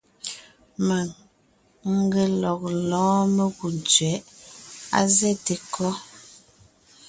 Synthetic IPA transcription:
ma˨ŋ | ŋ̩˦ɡe˨lɔ˨k̚lɔ̃ː˨˦me˦ɣu˨n˨t͡sɥɛ˨˦ʔa̰˦zɛ˦˨te˨kʰɔ˦

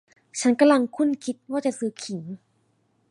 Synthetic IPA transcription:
t͡ɕʰa˦˥nka˧mla˧ŋkʰu˥˩nkʰi˦˥t̪̚waː˥˩t͡ɕa˨sɯː˨˦˥kʰi˨˩˦ŋ

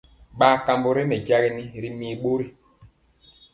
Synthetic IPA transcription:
ɓaː˦ka˨mbo˨ɾe˦me˨ɟa˦ɣi˦ni˦ɾi˦mi˨ɓo˦ɾi˦

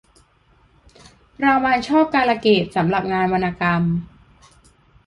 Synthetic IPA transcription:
ɾaː˧waː˧nt͡ɕʰɔː˥˩p̚kaː˧la˧keː˨˩t̪̚sa˩˦mɾa˨˩p̚ŋaː˧nma˧naː˧ka˧m

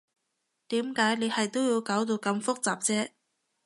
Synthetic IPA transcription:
t̪iː˨˥mkaː˨˥jne˨˧jhɐ˨jt̪o˥wjiː˧wkaː˨˥wt̪̬o˧wkɐ˧mfʊ˥k̚t͡saː˨˩p̚t͡sɛː˥

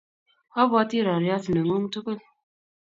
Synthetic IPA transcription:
a˦ba˦ti˦˨ɾa˨ɾja˦sɨ˨nə˨ŋo˦ŋ˦tu˦kə˦˨l

